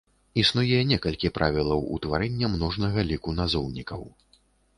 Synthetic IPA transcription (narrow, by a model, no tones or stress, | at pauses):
isnujɛnʲɛkɐlʲkʲipɾʔavʲilˠɐwṵt̪vaɾɛnʲːɐmnɔʐnɐɣɐlʲikunazɔwnʲikɐw